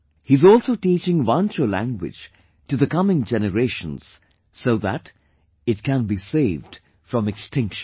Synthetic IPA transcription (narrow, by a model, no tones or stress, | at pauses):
hiɨzɔlˠsoʊʈit͡ʃɪ̃ŋʋãnt͡ʃəlæ̰̃ŋɡwɪ̰d͡ʒ | ʈɨðəkʌmɪ̃ŋd͡ʒɛnəɾeɪʃə̃nz̥ | soʊðæ̰t | ɨt̚kæ̃nbiseɪvd̥ | fɹʌ̃mɨkstʰɪ̃ŋkʃn